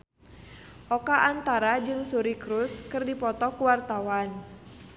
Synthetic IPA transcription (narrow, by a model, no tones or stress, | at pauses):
ʔɔkaʔant̪aɾad͡ʒɨŋsuɾikɾuskɨrdipɔt̪ɔkuwart̪awan